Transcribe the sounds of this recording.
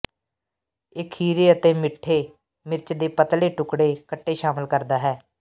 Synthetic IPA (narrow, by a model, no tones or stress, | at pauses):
ɪkʰhiːɾeːət̪eːmɪʈʰːeː | mɪɾt͡ʃd̪eːpət̪leːʈʊkɽeːkəʈːeːʃaːməlkəɾd̪aːɦɛː